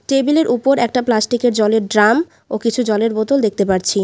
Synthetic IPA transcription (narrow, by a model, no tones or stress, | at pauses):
ʈebileɾʔupoɾɛk̚ʈaplasʈikeɾd͡ʑɔleɾɖɾam | okit͡ɕʰud͡ʑɔleɾbot̪old̪ek̚t̪epaɾt͡ɕʰi